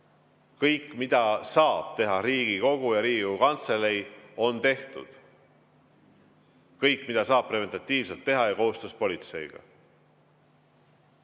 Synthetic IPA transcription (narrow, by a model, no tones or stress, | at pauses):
kɤjkːˑmid̪̥ɑsɑːb̥̚t̪e̞ɦɑɾiːɡ̥iko̞ɡ̥ujɑɾiːɡiɡukɑnt̪se̞lejo̞nt̪e̞ht̪ṵd̪̥ | kɤjkːˑmid̪̥ɑsɑːb̚preve̞nt̪ˑɑt̪ʲːˑiːv̥se̞lt̪ːe̞ɦɑjɑko̞ɦust̪uspolʲit̪se̞jɡ̥ɑ̰